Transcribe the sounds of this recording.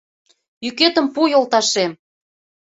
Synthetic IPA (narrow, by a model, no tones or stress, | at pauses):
jyket̪ə̆mpujolˠt̪ɑʃem